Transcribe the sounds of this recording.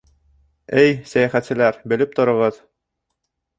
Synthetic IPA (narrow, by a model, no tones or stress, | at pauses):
ɘjsæjæχæt̪sɘ̆læɾbɘ̆lɘp̚t̪ŏɾŏʁɤð